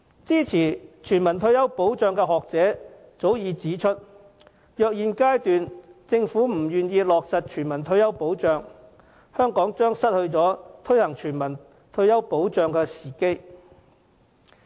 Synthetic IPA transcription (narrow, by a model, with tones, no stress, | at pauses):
t͡siː˥t͡sʰiː˨˩t͡ʃʰyː˨˩nmɐ˨˩nt̪ʰɵ˧ɥjɐ˥wpo˨˥wt͡ʃœː˨˧ŋkɛː˧ɦɔː˨k̚t͡sɛː˨˥ | t͡so˨˥wjiː˨˧t͡siː˨˥t͡ʃʰɵ˥t̚ | jœː˨k̚jiː˨˧nkaː˥jt̪yː˨nt͡sɪ˧ŋfuː˨˥m̩˨˩jyː˨˩njiː˧lɔː˨k̚sɐ˨t̚t͡ʃʰyː˨˩nmɐ˨˩nt̪ʰɵ˧ɥjɐ˥wpo˨˥wt͡ʃœː˨˧ŋ | hœː˥ŋkɔː˨˥ŋt͡ʃœː˥ŋsɐ˥t̚hɵ˧ɥt͡sɔː˨˥t̪ʰɵ˥ɥhɐ˨˩ŋt͡ʃʰyː˨˩nmɐ˨˩n | t̪ʰɵ˧ɥjɐ˥wpo˨˥wt͡sœː˨˧ŋkɛː˧siː˨˩ke˥j